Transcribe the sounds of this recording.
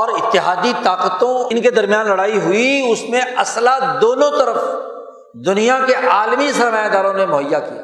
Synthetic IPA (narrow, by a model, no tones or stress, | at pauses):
ɔːɾɪt̪ːɪɦaːd̪it̪aːqət̪õɪnked̪ɐɾmijaːnlɐɽaːiɦʊiʊsmẽɐslad̪oːnõt̪ɐɾəf | d̪ʊnijakeʔaːlmisɐɾmaːjad̪aːɾõnemʊɦəjːakḭa̰ː